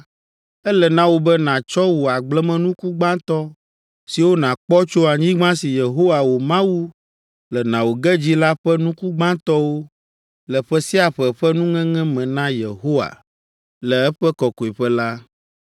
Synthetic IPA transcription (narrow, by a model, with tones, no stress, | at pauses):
ɛ˦lɛ˨nã˦wo˦bɛ˦nã˨t͡ʃɔ˦wo˨a˨ɡ͡blɛ˦mɛ̃˦nũ˦ku˦ɡ͡bã˦t̪ɔ˦ | si˨wo˦nã˨k͡pɔ˦t͡ʃo˦a˨ɲĩ˦ɡ͡bã˦si˨je˨ɦo˦wa˨wo˨mã˦wu˦ | lɛ˨nã˨wo˨ɡɛ˦d͡ʑi˦la˦ɸɛ˦nũ˦ku˦ɡ͡bã˦t̪ɔ˦wo˦ | lɛ˨ɸɛ˦si˦a˨ɸɛ˨ɸɛ˦nũ˦ŋɛ̃˦ŋɛ̃˦mɛ̃˨nã˦jḛ˨ɦo˦wa̰˨ | lɛ˨ɛ˦ɸɛ˦kɔ˨ko˨i˨ɸɛ˦la˦